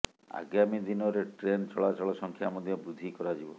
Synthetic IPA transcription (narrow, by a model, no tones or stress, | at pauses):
a̰ɡjamid̪inɔɾeʈɾent͡ʃɔɭat͡ʃɔɭɔsɔŋkʰjamɔd̪ʱjɔbɾud̪ʱikɔɾad͡ʒibɔ